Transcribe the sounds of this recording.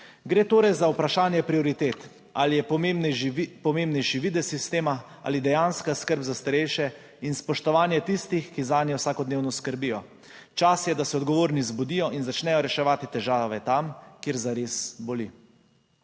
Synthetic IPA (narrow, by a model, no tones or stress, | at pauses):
ɡɾeːt̪oːɾɛjzaupɾaʃaːnjɛpɾiɔɾit̪eːt̪ | alijɛ | pɔmembnɛʃiʋiːd̪ɛsist̪eːma | a̰ːlid̪ɛjanskaskəɾbzast̪aɾɛjʃɛ | inspɔʃt̪ɔʋaːnjɛt̪ist̪ixkizaːnjɛwsaːkɔd̪neːwnɔskəɾbijɔ | t͡ʃasjɛd̪asɛɔd̪ɡɔʋoːɾnizbud̪ijɔʔinzat͡ʃnɛjɔɾɛʃɛʋaːt̪it̪ɛʒaːʋɛt̪amkeːɾzaɾesbɔli